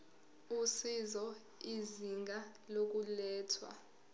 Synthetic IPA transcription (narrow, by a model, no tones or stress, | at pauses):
usizɔ | iziŋɡʱa | lok̬ulɛːtʰwa̰